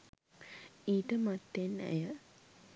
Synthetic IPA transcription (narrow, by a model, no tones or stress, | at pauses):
iːʈəmat̪ːenæ̰jə